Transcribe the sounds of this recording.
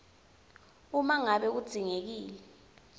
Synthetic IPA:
umaŋaɓɛk̬ud̥z̥ʱiŋek̬iːlɛ

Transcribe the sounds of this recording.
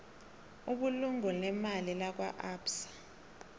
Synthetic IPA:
uɓuluŋɔlɛmalilak̬waʔaːpsḁ

